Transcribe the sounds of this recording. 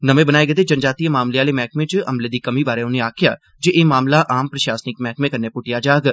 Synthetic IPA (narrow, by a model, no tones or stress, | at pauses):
nəmẽːbənaːeɡət̪ed͡ʒənd͡ʒaːt̪ijamaːmleaːlemɛ̃ːkmẽt͡ʃə̰mleːd̪iːkəmiːbaːɾeʊnẽaːkʰɪja̰ː | d͡ʒeʔeːmaːmlaʔaːmpɾəʃaːsnɪkmɛ̃ːkmẽːkəɾnepʊʈɪjaːd͡ʒaːɡ